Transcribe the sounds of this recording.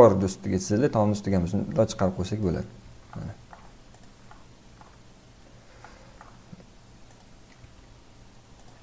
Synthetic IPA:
ɒɾd̪ʊst̪ɪɡʲat͡ʃ̪ʰɪzɪlɪt̪ʰɒnnʊst̪ɪɡʲanʊznd̪ɒt͡ʃʰə̥qɑɾp̚qʰojsakʲbola̰d̪ɪma̰nɪ

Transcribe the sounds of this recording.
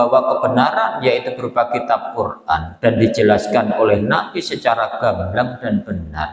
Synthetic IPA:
awakəbənaɾanjait̪ubəɾupakit̪ap̚kura̰nd̥andid͡ʒəlaskanolɛhnapisət͡ʃaɾaɡ̥aŋlaŋdanbəna̰r

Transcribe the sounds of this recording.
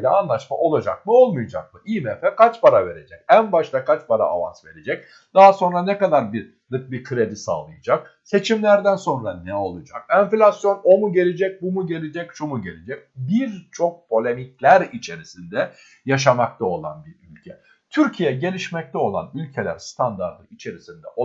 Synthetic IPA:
lʲɛanlˠaʃma̰ʔo̞lˠad͡ʒa̰k̚mɯo̞lˠmujad͡ʒa̰k̚mɯijmɛfɛkʰat͡ʃpaɾave̞ɾe̞d͡ʒɛcænbaʃt̪ˠakʰat͡ʃpaɾa̰ːva̰nsve̞ɾe̞d͡ʒɛc̚ | d̪̥aɦaso̞nɾanɛkad̪aɾbiɾ | lɯk̚biɾkʰɯɾe̞d̪isa̰ːlˠɯjad͡ʒak̚ | se̞t͡ʃʰimlʲæɾd̪ænso̞nɾanɛo̞lˠud͡ʒa̰kɛnflʲasjo̞no̞muɟe̞lʲed͡ʒɛc̚bumuɟe̞lʲed͡ʒɛcʃumuɟe̞lʲed͡ʒɛc̚biɾt͡ʃʰo̞k̚pʰo̞lʲemic̚lʲæɾit͡ʃʰe̞ɾisind̪ɛ | jaʃ̬amak̚t̪ʰao̞lˠa̰nbiɾylʲcʰɛ | t̪ʰyɾcʰijɛɟe̞lʲiʃmɛc̚t̪ʰɛo̞lˠa̰nylʲcʰe̞lʲæ̰ɾst̪ʰand̪aɾd̪ɯit͡ʃʰe̞ɾisind̪ɛ̰ʔo

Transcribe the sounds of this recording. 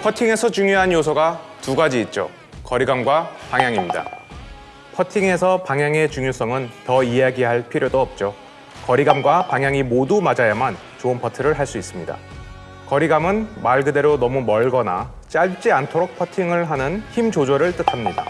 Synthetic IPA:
pʰʌtʰiŋe̞sʰʌt͡ɕuŋjoɦanjosʰʌɡatuɡad͡ʑiːt̚t͡ɕ͈o̰ | kʌɾiɡamɡwapaŋjaŋimɲida̰ | pʰʌtʰiŋe̞sʰʌpaŋjaŋe̞t͡ɕuŋjos͈ʌŋɯntʌiaɡiɦaɭpʰiɾjodoʌp̚t͡ɕ͈o | kʌɾiɡamɡwapaŋjaŋimodumad͡ʑajaman | t͡ɕoɯnpʰʌtʰɯɾɯɭɦaɭs͈uis͈ɯmɲida̰ | kʌɾiɡamɯnmaɭɡɯde̞ɾonʌmumʌɭɡʌna̰ | t͡ɕ͈aɭt͡ɕ͈iantʰoɾok̚pʰʌtʰiŋɯɭɦanɯnçimd͡ʑod͡ʑʌɾɯɭt͈ɯtʰamɲida̰

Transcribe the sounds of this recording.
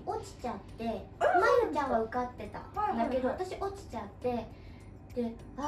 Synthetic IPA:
o̞t͡ɕi̥t͡ɕat̪ːe̞majot͡ɕãɡaɯ̟kat̪ːe̞t̪a̰d̪ake̞d̪o̞βat̪aɕiʔo̞t͡ɕi̥t͡ɕãt̪ːe̞ | d̪̥e̞ | a

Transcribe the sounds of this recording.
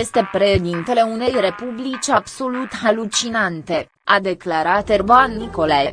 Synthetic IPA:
je̞st̪e̞pɾe̞ʃed̪int̪e̞le̞une̞jre̞publit͡ʃʲabso̞lut̪halut͡ʃinant̪e̞ | ad̪e̞klaɾat̪erboanːiko̞laje

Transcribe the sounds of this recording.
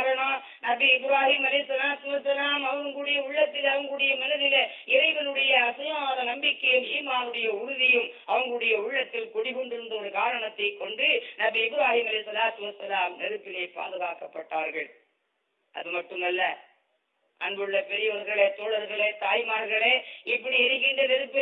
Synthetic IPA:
aɾɐɳoː | nɐbɪɪbɪɾaːɦiːmɐlɐsɐlaːt̪ːɯmɐsɐlaːmɐʋɐŋɡɯɽɐjɐʊɭːɐt̪ːɪlɐʋɐŋɡɯɽɐjɐmɐnɐðɪleɪɾɐɪʋɐnɯɽɐjɐːsɐjɐmaːðɐnɐmbɪkːɐjɯmiːmaːnɯɽɐjɐʊɾʊðɪjɯm | ɐʋɐŋɡɐɭɯɽɐjɐʊɭːɐt̪ːɪlkʊɽɪɣɔɳɖɯɯɳɖɯɔɾɯkaːɾɐɳɐt̪ːɐɪkːɔɳɖɯnɐbɪɪbɪɾaːɦiːmɐlɐɪsɐlaːt̪ːɯmɐsːɐlaːmnɛɾɯpːɪlɐɪpa̰ːðɯɣaːkɐpːɐʈːaːɾɣɐɭ | ʔɐ̰ðɯmɐʈːɯmɐlːɐ | ʔɐ̰nbɯɭːɐpɛɾɪjɐɔɾɣɐɭeːt̪oːɽɐɾɣɐɭeːt̪aːjmaːɾɣɐɭeːɪpːɐɽiɛɾɪɣɪɳɖɐnɛɾɯpːɪ

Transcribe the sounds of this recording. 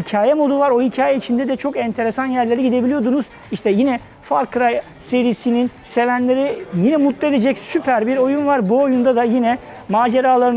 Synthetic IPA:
hicʰaːjɛmo̞d̪uvaɾo̞hicʰaːjɛit͡ʃʰind̪ɛd̪ɛt͡ʃʰo̞kɛnt̪ʰe̞ɾesanjæɾlʲe̞ɾiɟid̪e̞bilijo̞d̪unuz̥ | iʃt̪ʰɛjinɛ | faɾkɾaj | se̞ɾisininse̞vænlʲe̞ɾijinɛmut̪lˠied̪ed͡ʒɛcsypʰæɾbiɾo̞junvaɾbuojund̪ad̪ajinɛ | maːd͡ʒeɾaːlˠaɾɯn

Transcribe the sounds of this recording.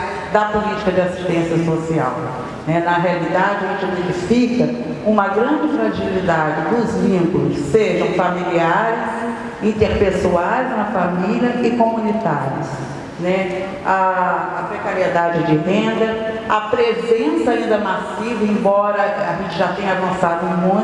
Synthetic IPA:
d̪ɐpʊlit͡ʃi̥kɐd͡ʒɪasi̥ʃt̪ẽsjɐsosia̰w | nɛnɐɦealid̪ad͡ʒɪaʒẽnt͡ʃɪd̪ed͡ʒɪfikɐũmɐɡɾɐ̃d͡ʒɪfɾaʒilid̪ad͡ʒɪd̪ʊzvĩkulʊsːeʒɐ̃w̃familiaɾɪs | ĩnt̪eɾpesuajzũmɐfamiliɐɪkõmũnit̪aɾiʊs | nɛ | aːpɾekaɾied̪ad͡ʒɪd͡ʒɪvẽd̪ɐ | ɐpɾezẽsɐaĩnd̪ɐmasivɐẽbɔɾɐaʒẽnt͡ʃɪʒat̪ẽj̃avɐ̃sad̪ʊẽmũj̃

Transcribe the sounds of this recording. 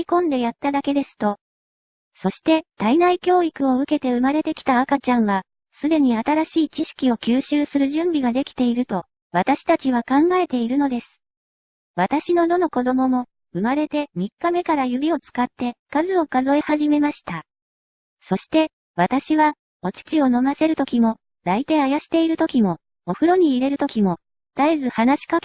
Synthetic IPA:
ikõ̞nd̪e̞jat̪ːad̪ake̞d̪e̞sɨ̥t̪o̞ | so̞ɕi̥t̪e̞t̪ainaikʲo̞ːikɯ̟o̞ɯ̟ke̞t̪e̞ɯ̟maɾe̞t̪e̞kʲi̥t̪aːkat͡ɕãɰ̃βa | sɨd̪e̞ɲ̟iat̪aɾaɕiːt͡ɕiɕi̥kʲio̞kʲɨːɕɨːsɨɾɯ̟ʑɨ̃mbʲiɡad̪e̞kʲi̥t̪e̞iɾɯ̟t̪o̞ | βat̪aɕi̥t̪at͡ɕiβ̞akãŋɡae̞t̪e̞iɾɯ̟no̞d̪esɨ̥ | βat̪aɕino̞d̪o̞no̞ko̞d̪o̞mo̞mo̞ | ɯ̟maɾe̞t̪e̞mʲikːame̞kaɾajɯ̟bʲio̞t͡sɨ̥kat̪ːe̞kazɨo̞kazo̞ehaʑime̞maɕi̥t̪a | so̞ɕi̥t̪e̞ | βat̪aɕiβa | o̞t͡ɕi̥t͡ɕio̞no̞mase̞ɾɯ̟t̪o̞kʲimo̞ | d̪ait̪eajaɕi̥t̪e̞iɾɯ̟t̪o̞kʲimo̞ː | ɸɯ̟ɾo̞ɲ̟iːɾe̞ɾɯ̟t̪o̞kʲimo̞ | t̪aizɨhanaɕi̥kak

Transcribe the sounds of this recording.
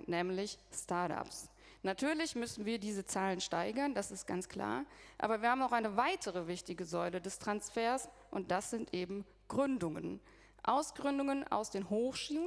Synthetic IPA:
nɛːmlɪçstaɐta̰ps | natʰyːɐlɪçmʏsn̩viːɐdiːzət͡saːlənʃtaɪɡɐndasɪstɡ̥a̰nt͡skl̥a̰ːɐʔa̰ːbɐviːɐhaːbmaʊxaɪnəvaɪtʰəʁəvɪçtɪɡəzɔʏlədɛstʁ̥ansfɛːɐs | ʔʊnt̚d̥asz̥ɪntʔeːbm̩ | ɡ̥ʁʏndʊŋə̰n | ʔa̰ʊsɡ̥ʁʏndʊŋəna̰ʊsd̥eːnɦoːxʃiː

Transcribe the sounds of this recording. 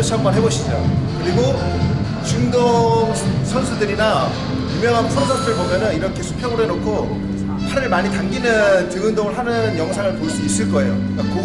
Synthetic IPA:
t͡ɕʰʌŋmanɦe̞boɕʰid͡ʑo̰kɯɾiɡo | t͡ɕuŋdo | sʰʌnsʰudɯɾina | jumjʌŋɦanpʰʌosʰʌns͈ʰɯɯɭpomjʌnɯniɾʌkʰe̞sʰu̥pʰjʌɡoɾɦenokʰo | sʰaɾɯɭmaɲitaŋɡinɯnt͡ɕɯŋɯndoŋɯɭɦanɯnjʌŋsʰaŋɯɭpoiɭs͈uis͈ɯɭk͈ʌe̞jo̰ | k͈ako

